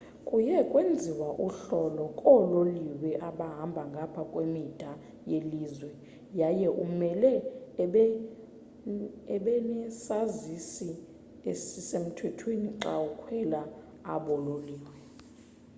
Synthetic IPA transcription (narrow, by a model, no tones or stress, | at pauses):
kʼujɛkʼwend͡zʱiwaʔuɬɔlɔkʼɔloliwɛʔaɓaɦambʱaŋɡʱapʰakʼwemid̥ʱa | jeliːzwɛ | jajɛʔumɛlɛ | ɛɓɛnɛsazisi | esisem̩tʰwɛtʰweniǁaukʰwɛla | a̰ɓɔloliːwɛ